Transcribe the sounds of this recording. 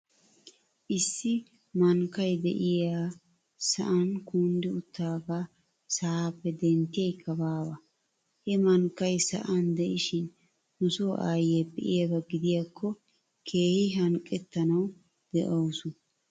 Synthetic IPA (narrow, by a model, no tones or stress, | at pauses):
ʔɪsːɪ | mɐŋkːɐjd̪ɛ̰ʔɪjaː | sɐʔɐnkuːnd̪ɪʊt̪ːaːɡaː | sɐaːpːɛd̪ɛnt̪ːɪjɛjkʰːɐbaːwɐ | hɛmɐŋkːɐjsɐ̰ʔɐnd̪ɛʔɪʃɪn | nʊsoːʔaːjɛpːɛʔɪjɐɡɐɡɪd̪ɪjakʰːɔ | kʰe̞ːhɪɦɐŋkʼːɛt̪ːɐnɐw | d̪̥ɛʔoːsʊ